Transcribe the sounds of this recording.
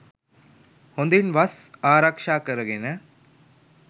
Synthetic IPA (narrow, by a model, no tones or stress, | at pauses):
hond̪inʋɐsaːɾakʂaːkɐɾɐɡenɐ